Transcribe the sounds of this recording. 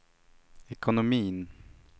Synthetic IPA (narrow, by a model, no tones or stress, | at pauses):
ɛkʊnʊmiːn